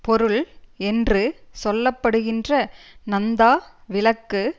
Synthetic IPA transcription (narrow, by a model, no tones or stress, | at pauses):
pɔɾɯɭɛndrɯsɔlːɐpːɐɽɯɣɪndrɐnɐnd̪aːʋɪlɐkːɯ